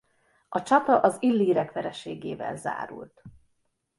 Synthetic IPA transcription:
ɒt͡ʃɒt̪ɒʔɒzilːiːɾɛkʋɛɾɛʃeːɡeːvɛ̰lza̰ːɾṵlt̪

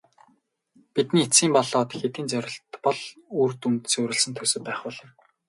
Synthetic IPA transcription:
pit̪niːet͡sɡʲiːmpɔɮɔːt̪xet̪iːnt͡sœɾʲɪ̆ɬt̪pɔɮurt̪unt̪ɘ̆suːɾɪ̆ɮsɘ̆nt̪ʰɵsɵ̆pæːχpʊːɮə̆n

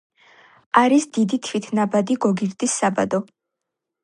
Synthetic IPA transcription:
aɾisd̪id̪it̪ʰvit̪ʰnabad̪iɡɔɡiɾd̪isːaba̰d̪ɔ

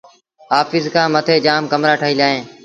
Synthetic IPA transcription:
ɦaːfɪzkʰãːmət̪ʰeːd͡ʒaːmkəmɾaːʈʰəɦiːlaːɦẽː

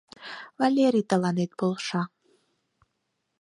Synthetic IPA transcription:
valʲeɾit̪ʼalanejt̪̚pɨlˠʂa

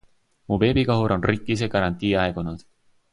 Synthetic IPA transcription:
muːpe̞ːbikɑɦuɾo̞nrikːˑis̬ekɑɾɑnʲt̪iːɑeɡunɑd̪̥

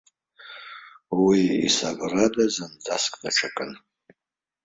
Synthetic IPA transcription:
wiḭsabradazɨnd͡zaskʼdaʈ͡ʂʰakʼɨn

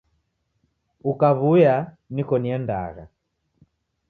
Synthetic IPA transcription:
ukaβuja | nikɔniɛnda̰ɣa̰

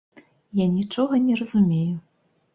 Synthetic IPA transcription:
janʲit͡ʂɔɣɐnʲɛrɐzumʲeju

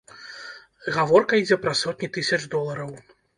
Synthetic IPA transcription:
ɣavɔrkɐid͡zʲɛpɾɐsɔt̪̚ʲnʲit̪ɨsʲɐt͡ʂd̪ɔlˠɐɾɐw

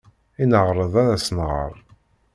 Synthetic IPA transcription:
inəʁɾˤəðˤæɾæsnʁə̰ɾˤ

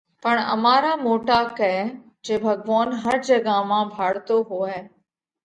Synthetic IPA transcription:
pəɳ̃ɐ̰maːɾaːmoːʈakɛ | d͡ʒeːbʱɐɡʋaːnɦɐɾd͡ʒɐɡamãːbʱaːɽt̪oɦoːɛː

